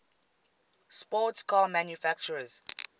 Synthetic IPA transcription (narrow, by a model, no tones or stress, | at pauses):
spɔtskʰaːmãnjufæk̚t͡ʃəɹəz̥